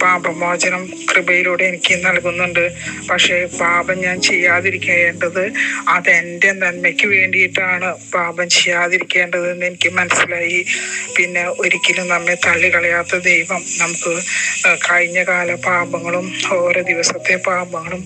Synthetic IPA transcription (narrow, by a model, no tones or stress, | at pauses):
paːbɐmoːd͡ʑɐnɐm | krɨbɐjiluːɽeːnikʲːɨnɐlkunːuɳɖɨpɐkʂe̞ːpaːbɐmɲaːnt͡ɕe̞jːaːðiɾikʲːuɐje̞ːɳɖɐðɨaðende̞nɐnmekʲːɨʋe̞ːɳɖijiʈːaːɳɨpaːbɐmt͡ɕe̞jːaːðiɾikʲːe̞ːɳɖɐðenːe̞nikʲːɨmɐnɐsːilaːjipinːe̞o̞ɾikʲːilumnɐmːet̪ɐɭːikɐɭɐjaːt̪ːɐd̪ejʋɐmnɐmukːɨkɐɻiɲːɐkaːlɐbaːbɐŋːɐɭumo̞ːɾoːd̪iʋɐsɐt̪ːe̞paːbɐŋːɐɭum